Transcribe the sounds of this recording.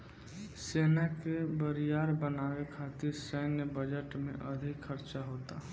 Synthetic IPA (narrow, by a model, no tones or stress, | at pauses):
seːnakebəɾijaːɾbənaːwekʰaːt̪ɪɾsəːnəbəd͡ʒəʈmḛ̃ʔɐd̪ʱɪkxəɾt͡ʃaɦoːt̪aː